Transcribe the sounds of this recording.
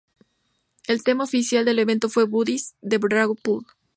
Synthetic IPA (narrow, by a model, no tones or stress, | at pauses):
e̞lt̪e̞maofisjald̪e̞le̞βe̞nt̪o̞fwe̞βuðisd̪e̞βɾɾaɣopuɾ